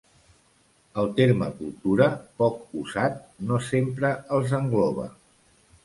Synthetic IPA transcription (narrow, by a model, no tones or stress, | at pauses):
əlˠt̪eɾməkulˠt̪uɾəpɔk̚uzat̪̚nosempɾəəlˠzəŋɡlɔβ̞ə̰